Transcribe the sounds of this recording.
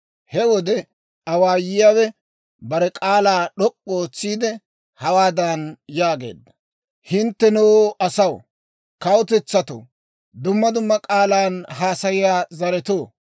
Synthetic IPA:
hɛwɔd̪ɛ | ɐwaːjɪjaːwɛ | bɐɾɛkʼaːlaːɗɔkʼːoːt͡sːiːd̪ɛ | hɐwaːd̪anjaːɡe̞̰ːd̪ːɐ̥ | hɪnt̪ːɛnoːɐsɐw | kɐwʊt̪ɛt͡sːɐt̪o̰ | d̪ʊmːɐd̪ʊmːɐkʼaːlaːnhaːsɐjɪjaːzɐɾɛt̪oː

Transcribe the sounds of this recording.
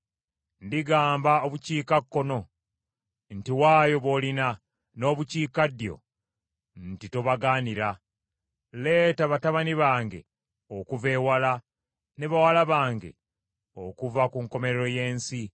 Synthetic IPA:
ndiɡaːmbao̞βuciːkakːo̞no̞ | ntiwaːjo̞βo̞lina | no̞ːβuciːkadjo̞̰ | n̩titoβaɡaːniɾa | le̞ːtaβataβaniβaːŋɡe̞̰ | okuve̞ːwala | ne̞βawalaβaːŋɡe̞̰ | okuvakuŋko̞me̞ɾeɾo̞je̞ːnsi

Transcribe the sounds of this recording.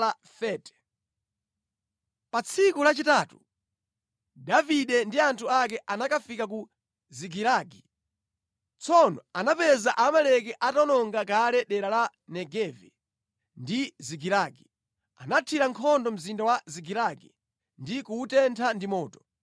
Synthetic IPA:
a | fɛtɛ̥ | pat͡sʰikulat͡ʃitaːtu | daviɗɛndiantʰuak̬ɛʔanakafikak̬u | ziɡiɾaːɡi | t͡sʰɔnɔ̰anapɛzaʔamalɛk̬ɛʔatɔnɔŋɡak̬alɛɗɛɾala | nɛɡɛvɛ | ndiziɡiɾaːɡi | anatʰiɾaŋkʰɔndɔm̩zindawaziɡiɾaɡi | ndikuːtɛntʰandimɔːtɔ̥

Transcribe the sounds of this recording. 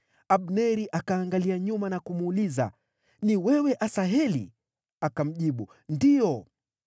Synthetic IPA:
aɓnɛɾiʔakaːŋɡaliaɲumanakumːliza̰ | niwɛwɛʔasaɦɛlḭ | akam̩ʄiɓu | ndijɔ

